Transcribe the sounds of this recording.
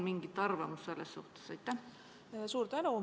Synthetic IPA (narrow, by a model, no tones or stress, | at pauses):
miŋɡit̪ːˑɑrvɑmusse̞lːesːuht̪e̥sɑjt̪ːæh | suːɾt̪ænu